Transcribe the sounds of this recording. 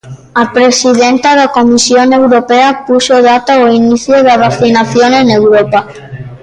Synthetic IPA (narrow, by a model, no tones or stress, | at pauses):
apɾesiðent̪aðakomisjoŋewɾopeapusoðat̪aoiniθjoðaβaθinaθjonenewɾopa